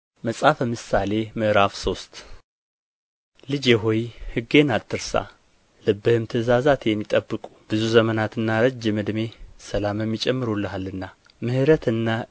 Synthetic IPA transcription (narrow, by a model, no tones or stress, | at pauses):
məsʼafəmɨsale̞mɨʔɾafso̞st̪ | lɨd͡ʒɛɦojhɨɡːe̞nalt̪ʰːɨɾsa̰ | lɨbːɨhɨmt̪ʰɨzazat̪ʰɛmːit̪ʼəbːɨkʼu̥b̥ɨzuzəmənat̪ɨnːaɾɨd͡ʒɛmɨd̪me̞səlamɛmːit͡ʃʼɛmːɨɾulːəɦalːɨnːa | mɨhɨɾət̪ʰɨnːa